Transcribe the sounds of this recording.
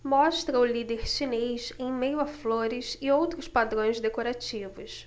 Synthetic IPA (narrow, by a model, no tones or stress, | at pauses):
mɔʃt̪ɾɐʊlid̪eɾʃinejsẽj̃mejʊafloɾɪsɪowt̪ɾʊspad̪ɾõj̃zd̪ekoɾat͡ʃivʊs